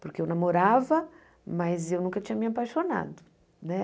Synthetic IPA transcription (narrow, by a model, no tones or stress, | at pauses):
poɾkeewnamoɾavɐ | mɐzewnũkɐt͡ʃĩɲɐmĩapajʃona̰d̪ʊ | nɛ